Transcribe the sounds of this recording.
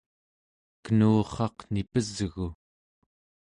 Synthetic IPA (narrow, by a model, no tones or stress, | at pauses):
kənuːχɑqnipəzɣu